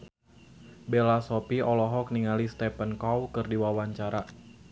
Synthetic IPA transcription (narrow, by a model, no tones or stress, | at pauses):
belasɔpiɔlɔɦɔk̚niŋalist̪ɛpənkɔwkɨrdiwawaɲt͡ʃaɾa